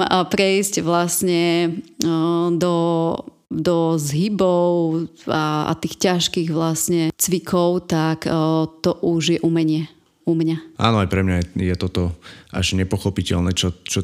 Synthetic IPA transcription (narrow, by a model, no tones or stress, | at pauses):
pɾɛiscʋlasɲɛ | d̪ɔ | d̪ɔzɦibɔʊaa̰t̪iːxcaʃkiɣʋlasɲɛt͡sʋikʰɔʊt̪akt̪ɔʔuʒjɛʔumɛɲɪɛ | umɲaʔa̰ːnɔajpɾɛmɲajɛjɛt̪ɔt̪ɔʔa̰ʒɲɛpɔxɔpicɛlnɛːt͡ʃɔt͡ʃɔ